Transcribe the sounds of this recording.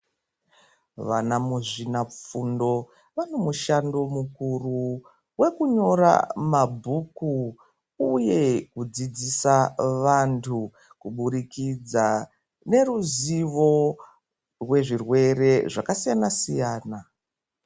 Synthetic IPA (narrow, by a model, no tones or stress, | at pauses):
ʋanamuʐinap͡fundo̞ | ʋano̞muʃando̞mukuru | we̞kuɲo̞ɾa̰mabʱuku | uje̞kud͡zid͡zisaʋantʰu | kuɓuɾikid͡za | ne̞ruziʋo̞ | rwe̞ʐirwe̞re̞ʐakasijanasijaːna